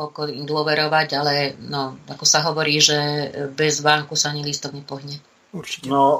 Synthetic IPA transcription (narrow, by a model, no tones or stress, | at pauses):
ɔkɔlind̪ʊɔʋɛɾɔʋaɟalɛnɔakɔsaɦɔʋɔɾiːʒɛbɛzʋaːŋkusaaɲiliːst̪ɔʋɲɛpɔɦɲɛ | uɾt͡ʃi̥nɔ